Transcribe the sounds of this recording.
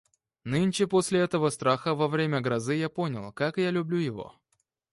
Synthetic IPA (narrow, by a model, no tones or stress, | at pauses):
nɨnʲt͡ɕɪposʲlʲɪɛt̪əvəst̪ɾaxəvɐvɾʲemʲəɡɾɐzɨjapo̞nʲɪ̰lˠkakjalʲʉblʲujɪvo̰